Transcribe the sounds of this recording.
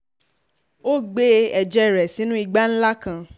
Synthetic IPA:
o˦˨ɡ͡be˦ɛ˨d͡ʒɛ˦˨ɾɛ˨sĩ˨˦nũ˦i˧ɡ͡ba˦n̩˦la˦kã˧

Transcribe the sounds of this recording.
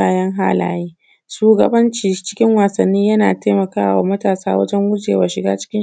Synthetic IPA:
aː˦jɐ˦ŋɦa̰˦la̰ː˨˦jiː˦ | ʃuː˦ɡɐ˨bɐ˦nt͡ʃiː˨t͡ʃɪ̥˦kʲɪ˦ŋwaː˨sɐ˨nːiː˦jɐ˦naː˨teː˦mɐ˨kaː˦wa̰ː˨mɐ˦taː˨saː˦wɐ̰˦d͡ʒɛ˦ŋwʊ˦d͡ʒḛː˨wa˨ʃɪ˨ɡa̰ː˦t͡ʃɪ̥˦kʲɪ˦

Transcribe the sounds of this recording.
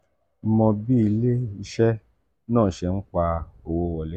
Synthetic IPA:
mɔ̃˧bi˦i˧le˦i˧ʃɛ˦ | nãː˦˨ʃɛ˧n̩˦k͡pa˧o˨wo˦wɔ˧˨le˦

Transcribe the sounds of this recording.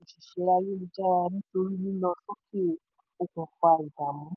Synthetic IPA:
i˨ʃi˨ʃe˨˦ɾa˧je˦nĩ˧d͡ʒa˦ɾa˧nĩ˦to˧ɾi˦nĩ˦nã˧so˦ke˦ | o˧kũ˨fa˧i˨da˨mũ˨˦

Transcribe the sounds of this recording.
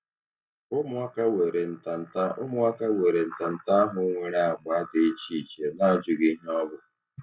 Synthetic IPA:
ʊ˦mʊ˦a˦ka˦we˨ɾe˨n̩˨ta˨n̩˨ta˦ʊ˦mʊ˦wa˦ka˦we˨ɾe˨n̩˨ta˨n̩˨ta˦a˦ɦʊ˦ŋʷe˦ɾa˦˨a˨ɡ͡ba˨˦de˨i˦t͡ʃi˦˨ke˨na˦a˨d͡ʒʊ˨ɡi˦ɲe˦ɔ˦bʊ˦

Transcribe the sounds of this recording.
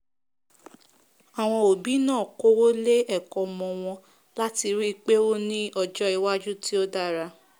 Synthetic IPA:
a˨w̃ɔ̃˧o˨bi˨˦nãː˦˨ko˦wo˦le˦ɛ˦˨kɔ˨mɔ̃˧w̃ɔ̃˧ | la˦ti˧ɾi˦˧k͡pe˦o˦nĩ˦ɔ˧d͡ʒɔ˦i˧wa˦d͡ʒu˦ti˦o˦da˦˨ɾa˧

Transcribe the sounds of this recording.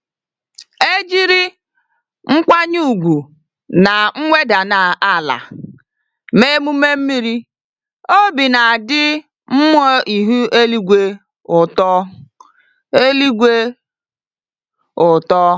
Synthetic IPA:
e˦d͡ʒi˦ɾi˦ | ŋ͡m̩˦kʷa˦ɲu˦˨ɡʷu˨ | na˨ŋ̩˦ŋʷe˦da˨na˨a˦˨la̰˨ | me˦mu˦me˦m̩˦mi˦ɾi˦ | o˦bi˨na˨dɪ˦ | m̩˦m˦o˦i˨ɦu˦ʔe˦li˦ɡʷe˦ | ʊ˨tɔ˦ | e˦li˦ɡʷe˦ | ʊ˨tɔ˦

